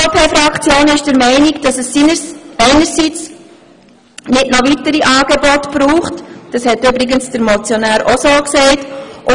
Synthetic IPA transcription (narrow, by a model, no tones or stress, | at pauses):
opʰeːfɾɑkt͡sjoːnɪʃd̥əɾmɛɪnikd̥ɑsɛsinəɛɪnəɾsit͡s | nɪtnɔʋitəɾiʔɑːɡebɔtb̥ɾuːχtd̥ɑshɛtʏbɾɪɡənsd̥əɾmɔt͡sjonæːɾosoːksɛɪtʔʊ